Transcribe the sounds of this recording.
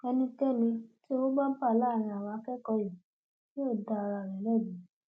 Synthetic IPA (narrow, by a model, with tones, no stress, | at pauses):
ɛ˧nĩ˧tɛ˦˨nĩ˧ti˦wo˦ba˦pa˦˨la˦˨ɾ̃ã˧˨a˨wa˧˦kɛ˦kɔ˧ji˨ | ti˦o˦˨da˧˨˧ɾa˧˨ɾɛ˨˦lɛ˦˨di˨˦